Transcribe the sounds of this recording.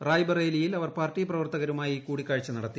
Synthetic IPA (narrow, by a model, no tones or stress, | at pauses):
raːjbɐreːlijilɐʋɐrpaːrtiprɐʋɐrt̪ɐɣɐɾumaːjikuːɽikʲːaːɻit͡ɕːɐnɐɽɐt̪ːi